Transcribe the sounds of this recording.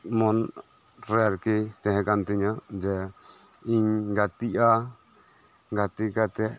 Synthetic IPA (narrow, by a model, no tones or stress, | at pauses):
mɔn | ɾɛɾkit̪ɛ̃ɦɛ̃kant̪ɛɲad͡ʒɛ | iɲɡat̪iʔa | ɡat̪ikat̪ɛ